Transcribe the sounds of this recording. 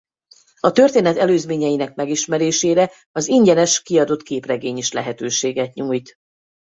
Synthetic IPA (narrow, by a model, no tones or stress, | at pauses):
ɒt̪ø̞rt̪eːnɛt̪ɛløːzmeːɲɛjinɛk̚mɛɡiʃmɛɾeːʃeːɾɛ | ɒziɲɟɛnɛʃkiɒd̪o̞t̪keːprɛɡeːɲiʃlɛɦɛt̪øːʃeːɡɛt̪ɲuːjt̪